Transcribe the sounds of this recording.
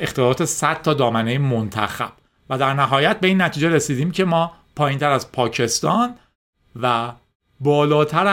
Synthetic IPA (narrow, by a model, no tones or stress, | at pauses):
ʔe̞xt̪elɒːt̪ʰe̞sæd̪̥̚t̪ʰːɒːd̪ɒːmænejemont̪ʰæ̰xæ̰b̥ | væd̪æɾnæɦɒːjæt̪̚be̞inːæt̪ʰiːd͡ʒeɾesiːd̪iːmcʰe̞mɒːpʰɒːjint̪ʰæɾæzpʰɒːcʰe̞st̪ɒːn | væ | bɒːlɒːt̪ʰæɾæ